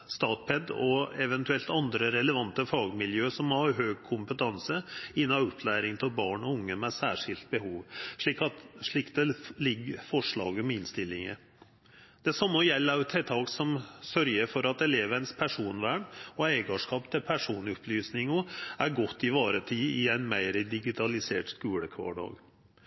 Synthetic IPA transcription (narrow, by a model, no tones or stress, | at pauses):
st̪ɑːt̪̚pʰɛd̪ɔɛʋɛnt̪ʉɛlt̪ɑnd̪ɾəɾɛləʋɑnt̪əfɑːɡmɪljøːsɔmːɔhɑɾɦøːɡ̚kʰʊmpət̪ʰɑnsəɪnːɑɔpʰlæːɾɪŋt̪ʰɪbɑːɳɔʊŋːəmɛsæːʂɪlt̪̚bəhuːʋʂɭiːkɑt̪ʂɭɪːkd̪ɛlɪɡːəfɔʂɭɑ̰ːɡəmɛɪnst̪ɪlːɪŋə̰ | d̪̥ɛsɑmːəjɛlːət̪ʰɛt̪ʰɑːksɔmsœɾjəɾfɔɾɑt̪ɛleːʋənəspʰæʂuːnʋæːɳɔɛɪɡɑʂkɑːpt̪ʰɪlpʰæʂuːnɔpʰlyːsnɪŋɔæɾɡɔt̪ːɪʋɑːɾət̪ʰiːɪæɪnmæɪɾəd̪ɪɡɪt̪ʰɑlɪseːʈskʉːləkʰʋɑ̰ːɖɑ̰ːɡ